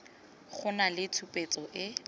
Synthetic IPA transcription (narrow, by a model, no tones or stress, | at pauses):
χʊnalɪtʰupʼet͡sʼɔʔɪ